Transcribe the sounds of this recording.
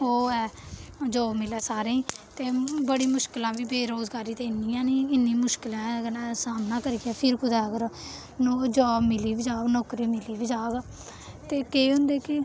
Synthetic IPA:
oːɛːd͡ʒoːmɪlɛːsaːɾeĩːt̪eːbəɽiːmʊʃkɪlãːʋiːbeːɾoːzɡaːɾiːt̪eːɪnːiːãːniːɪnːĩːmʊʃkɪlãːknãsaːnːãːkəɾiɡɛːpʰɪɾkʊd̪aːɡəɾ | nod͡ʒɔːmɪliːbɪd͡ʒaːbnɔːkɾiːmɪliːbɪd͡ʒaːɡ | t̪eːkeɦʊ̃nd̪eːkɪ

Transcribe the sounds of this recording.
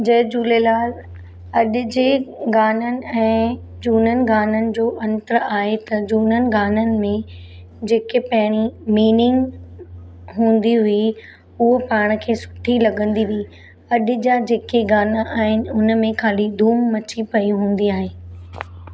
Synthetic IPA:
d͡ʑɐɦd͡ʑuːlelaːl | ɐɗʊd͡ʑeːɡaːnənɪ̆ɛ̃ː | d͡ʑuːnənɪ̆ɡaːnənɪ̆d͡ʑoːʔɐ̃nt̪əɾaːɦet̪ɐd͡ʑuːnənɪ̆ɡaːnənɪ̆mẽ | d͡ʑeːkepɐɦɪɽ̃imiːnɪ̃ŋɡ | ɦũːn̆d̪iɦʊi | ʊɦopaːɽ̃əkʰeːsʊ̥ʈʰilɐɠə̃nd̪iʋi | ɐɗd͡ʑad͡ʑeːkeɡaːnaʔaːɦɪnɪ̆ʊnəmẽkʰaːlid̪ʱuːmːɐt͡ɕipɐiɦũːn̆d̪iaːɦeː

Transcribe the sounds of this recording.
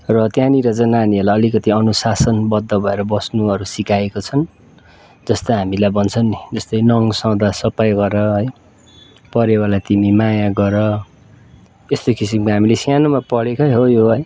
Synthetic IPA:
rʌt̪janiɾʌd͡zʌnaniʌrlaʌlikʌt̪iʌnusasʌnbʌd̪ʱːʌbʱʌeɾʌbʌsnuʌɾusikaekot͡sʰʌn | d͡zʌst̪ʌɦamilajbʌnt͡sʰʌnːid͡zʌst̪ʌjnʌŋsʌwd̪asʌpajɡʌɾʌɦʌj | pʌɾewalat̪imimajaɡʌɾʌ | est̪okisimkoɦamilesjanomapʌɽekʌɦojoɦʌj

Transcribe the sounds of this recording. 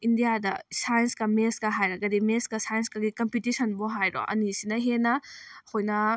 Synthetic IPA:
indijadɐ̰sajɐnskɐmeskɐɦajɾɐɡɐdimeskɐsajɐnskɐɡikɐmpitisɐnboɦajɾo̰ʔɐ̰nisinɐɦenɐhojnɐ

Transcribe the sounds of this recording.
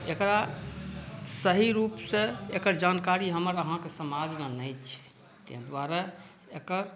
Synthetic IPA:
ekɾa | səɦiɾupseekəɾd͡ʒankaɾiɦəməɾəɦãkesəmad͡ʒmenəjt͡ʃʰɛ̥ | t̪ḛɦd̪waɾa | ekəɾ

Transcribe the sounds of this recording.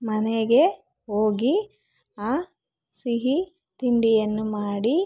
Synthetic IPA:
mɐneɡe | oːɡi | aː | siɦi | t̪iɳɖijɐnːumaːɽi

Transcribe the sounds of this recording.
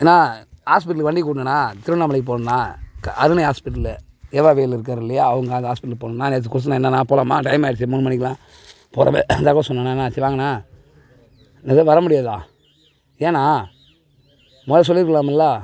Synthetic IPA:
eːnːãːhaːspɪʈːɐlkːʋɐɳɖɪkuːɽnɐnːãːt̪ɪɾnːaːmɐɭɐɪkːɯpoːnɐnːaːkʔɐðɯnɐɦaːspɪʈːɪl | eːʋaːʋeːlɪɾɯkːaːɾɪlːɪjaːɐʋɐŋɡɐaːɦaːspɪʈːɐlpoːnnːaːneːt̪̬ːɯkʊɾɯt̪̬ːɯnːãːɛnːɐnãːpoːlaːmaːʈɐɪmaːɪɽɯt͡ʃːimʊnːmɐnɪkːɐlãː | poːɾɐ̰ʋḛnd̪aːkosɔnːɐnːaːnːãːt͡ʃːiʋaːŋɡɐnːaː | neɐʋɐɾɐmʊɽɪjaːðã̰ː | eːnaː | moːðɐs̬ɔlːɪɾɯkɐlaːmlːaː

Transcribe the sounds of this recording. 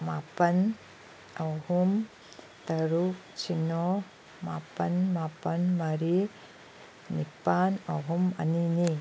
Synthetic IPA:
mapɐn | ahum | t̪ɐɾuk | t͡ʃino | mapɐnmapɐnmɐɾi | nipana̰ɦumɐ̰nini

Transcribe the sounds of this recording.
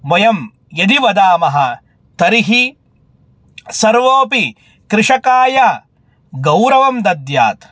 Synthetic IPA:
ʋɐjɐm | jɐd̪iʋɐd̪aːmɐɦɐ | t̪ɐɾiɦi | sɐɾʋoːpi | kɾɪʂɐkaːjɐ | ɡɐwɾɐʋɐmd̪ɐd̪jaːt̪

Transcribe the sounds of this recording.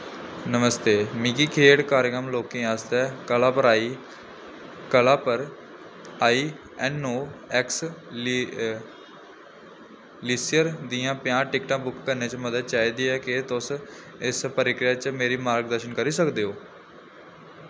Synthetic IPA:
nəməst̪eːmɪkiːkʰeːɽkaːɾkəmloːkẽːaːst̪ɛːkəlaːpəɾaːiː | kəlãːpəɾ | aːiː | ɛːnːoːɛks | liːsɪjəɾd̪iːãːpɪjãːʈɪkʈãːbʊkːəɾneːt͡ʃəməd̪əd̪̚t͡ʃaːiːd̪iːɛːkɪt̪ʊs | ɪspəɾɪkɾɪjaːt͡ʃmeːɾiːmaːɾɡ̚d̪əɾʃənkəɾiːsəkd̪eːɦoː

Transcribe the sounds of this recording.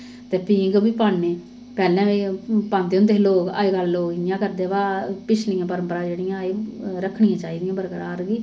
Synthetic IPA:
t̪eːpiːɡbiːpaːɳneː | pɛːlɛ̃ːʋiːpãːnd̪eːʊ̃nd̪eːloːka̰ːeɡəlːoːɡɪjãːkəɾd̪eːʋaːpɪt͡ʃʰnɪjãːpəɾəmpəɾãːd͡ʒeːɽijãːeːɾəkʰːɳɪjãːt͡ʃaːiːd̪ɪjãːbəɾkəɾaːɾɡiː

